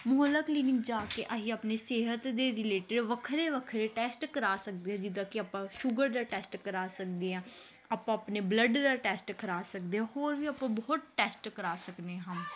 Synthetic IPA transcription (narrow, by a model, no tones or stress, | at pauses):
mʊɦələkliːnɪŋɡd͡ʒaːkeːʔaɦiːaːpneːseːɦət̪d̪eːɾɪleːʈɪɖʋəkʰɾeːʋəkʰɾeːʈɛːsʈkəɾaːsək̚d̪eːɦɛ̃ːd͡ʒɪd̪ãːkɪaːpãːʃʊɡəɾd̪aːʈɛːsʈkəɾaːsək̚d̪eːɦãː | aːpãːəpneːbləɖd̪aːʈɛːsʈkʰəɾaːsək̚d̪eːɦãːɦoːɾʋiːaːpãːbɔːt̪̚ʈɛːsʈkəɾaːsəkneɦəm